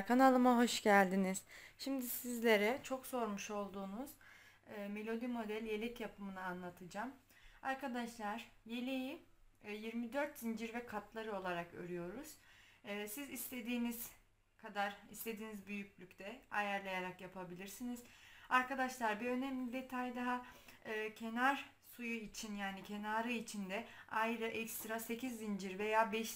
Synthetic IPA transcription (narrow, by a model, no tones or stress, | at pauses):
kʰanalˠɯmaɦo̞ʃɟælʲd̪iniz̥ʃimd̪isizlʲe̞ɾɛt͡ʃʰo̞kso̞ɾmuʃo̞lˠd̪uːnuz̥ː | me̞lʲo̞d̪imo̞d̪ælʲje̞lʲɛcjapʰɯmɯnɯanlˠat̪ʰɯd͡ʒam | aɾkʰad̪aʃlˠaɾ̥je̞lʲeji | jiɾmid̪øɾt̪ːind͡ʒiɾvɛkʰat̪ʰlˠaɾɯo̞lˠaɾakø̰ɾyjo̞ɾuz̥ː | sizist̪ʰe̞d̪iːniz̥ | kʰad̪aɾist̪ʰe̞d̪iːnizbyjycʲlʲycʲt̪ʰɛajæɾlʲˠajaɾakjapʰabilʲiɾsiniz̥aɾkad̪aʃlˠaɾbiø̞nɛmlʲid̪e̞t̪ʰajd̪aɦaɯːcʰe̞naɾ | sujuit͡ʃʰinjaːnicʰe̞naːɾɯit͡ʃʰind̪ɛajɾɯʔɛkst̪ɾase̞cizːind͡ʒiɾve̞jaːbɛʃ